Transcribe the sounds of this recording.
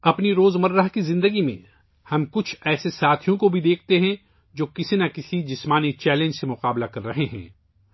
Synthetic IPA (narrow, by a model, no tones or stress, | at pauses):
ɐpniɾoːzmɐɾːəɦkizɪ̃nd̪əɡimḛ̃ | hɐmkʊt͡ʃʰɛːsesaːt̪ʰijõkobʱid̪eːk̚ʰt̪eɦɛ̃ | d͡ʒoːkɪsinakɪsid͡ʒɪsmaːnit͡ʃɛːlẽːɲd͡ʒsemʊqaːblakɐɾːɐɦeɦɛ̰̃ː